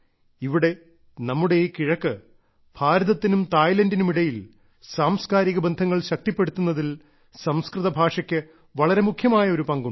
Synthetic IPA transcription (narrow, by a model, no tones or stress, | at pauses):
iʋiɽe̞ | nɐmːuɽe̞jkiɻɐkːɨ | b̥ʱaːɾɐðɐt̪ːinumt̪aːjlɐndinumiɽɐjil | saːmskaːɾiɣɐbɐnd̪ʱɐŋːɐɭɕɐk̚t̪ipːe̞ɽut̪ːunːɐðil | sɐmskrɨðɐbʱaːʂɐkʲːɨ | ʋɐɭɐɾe̞mukʰjɐmaːjɐo̞ɾupɐŋɡu